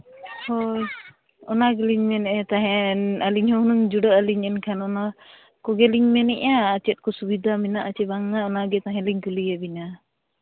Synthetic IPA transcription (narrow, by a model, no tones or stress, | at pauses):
hoj | ɔnaɡɛliɲmɛnɛʔt̪aɦɛ̃nəliɲhɔnuŋd͡ʒuɖəəliɲɛnkʰanɔna | kɔɡɛliɲmɛnɛ̰ʔaːt͡ʃɛt̪̚kɔsubid̪ʱamɛnaʔat͡ʃɛbaŋːaɔnaɡɛt̪aɦɛ̃liɲkulijabina